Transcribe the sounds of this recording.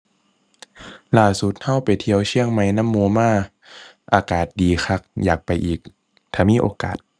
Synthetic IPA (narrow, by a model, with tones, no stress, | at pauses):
laː˧˩su˧˦t̪̚ha˧˥˩wpa˨jt̪ʰi˧˦əwt͡ɕʰi˧˥˨əŋma˧˥jna˧˥˨mːoː˧˦maː˧˩ | ʔaː˧kaː˨˩t̪̚diː˨˩xʰa˧˩k̚jaː˨˩k̚pa˨jʔiː˨˩k̚ | t̪ʰaː˧˩miː˧˥˨ʔoː˧ka̰ː˨˩t̪̚